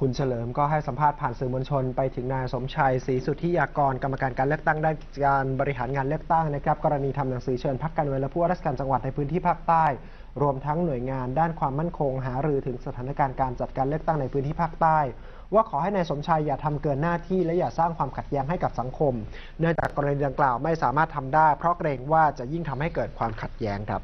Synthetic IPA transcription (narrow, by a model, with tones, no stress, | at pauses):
kʰu˧nt͡ɕʰa˧lɤː˩˦mkɔː˥˩ɦa˥˩jsa˩˦mpʰaː˥˩t̪̚pʰaː˨˩nsɯː˨˩mo˧nt͡ɕʰo˧npa˧jt̪ʰɯ˩˦ŋnaː˧jso˨˩˦mt͡ɕʰa˧jsiː˩˦su˨˩t̪ʰːi˦˥jaː˧kɔː˧nka˧mːa˧kaː˧nkaː˧nlɯ˥˩ək̚t̪a˥˩ŋdaː˥˩nki˨˩t͡ɕa˧˩kaː˧nbɔː˧ɾi˦˥ɦaː˩˦nkaː˧nlɯ˥˩ək̚t̪a˥˩ŋna˦˥kʰɾa˦˥p̚kɔː˧ɾa˧niː˧t̪ʰa˧mna˨˩˦ŋsɯː˩˦t͡ɕʰɤː˧npʰa˦˥kːaː˧nɯ˧nlɛ˦˥pʰu˥˩˨a˥ɾa˥˩sḁ˧kːaː˧nt͡ɕa˧ŋwa˨˩t̪̚na˧jpʰɯː˦˥nt̪ʰiː˥˩pʰaː˥˩k̚t̪aː˥˩j | ɾu˧əmt̪ʰa˦˥ŋnu˨˩əjŋaː˧ndaː˥˩nkʰwaː˧mːa˥˩nkʰo˧ŋɦaː˩˦ɾɯː˧t̪ʰɯ˩˦ŋsa˧aː˩˦na˦˧˥kaː˧nkaː˧nt͡ɕa˨˩t̪̚kaː˧nlɯ˥˩ək̚t̪a˥˩ŋna˧jpʰɯː˦˥nt̪ʰiː˥˩pʰaː˥˩k̚t̪aː˥˩j | waː˥˩kʰɔː˩˦ɦa˥˩jnaː˧jso˨˩˦mt͡ɕʰa˧jːaː˨˩t̪ʰa˧mkɤː˨˩nnaː˥˩t̪ʰiː˥˩lɛ˦˥jaː˨˩k̚saː˥˩ŋkwaː˧mkʰa˨˩t̪̚jɛː˦˥ŋɦa˥˩jka˨˩p̚sa˩˦ŋkʰo˧m | nɯ˥˩əŋt͡ɕa̰ː˨˩kːɔː˧ɾa˧niː˧da˧ŋklaː˨˩wma˥˩jsaː˩˦maː˥˩t̪ʰːa˧mdaː˥˩jpʰɾɔ˦˥kɾeː˧ŋwaː˥˩t͡ɕa˨˩ʔji˥˩ŋt̪ʰa˧mha˥˩kɤː˨˩t̪̚kʰwaː˧mkʰa˨˩t̪̚jɛː˦˥ŋkʰɾa̰˦˥p̚